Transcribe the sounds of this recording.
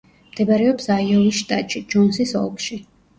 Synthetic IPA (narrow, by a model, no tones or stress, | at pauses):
md̪̥ɛbaɾɛɔpsaiɔlisʃt̪ʼat̪ʼʃid͡ʒɔnsisɔ̰lˠkʃi